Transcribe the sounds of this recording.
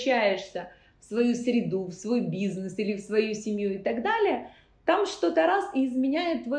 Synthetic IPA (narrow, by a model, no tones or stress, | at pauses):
æjɪʂsʲə | fsvɐjusɾʲɪd̪ufsvo̞jbʲiznɨsilʲɪfsvɐjusʲɪmʲjuɪt̪ɐɡd̪alʲɪjə | t̪amʂt̪o̞t̪əɾasɪːzmʲɪnʲæjɪt̪ːvɐ